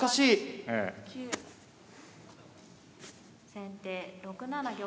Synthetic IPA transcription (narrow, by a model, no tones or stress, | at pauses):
kaɕiːḛ | sẽ̞nt̪eːɾo̞kɯ̟nanaɡʲo